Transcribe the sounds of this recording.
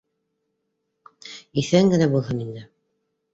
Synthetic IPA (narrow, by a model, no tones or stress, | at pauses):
iθæŋɡɘ̆næbulˠɦɤnind̪ɘ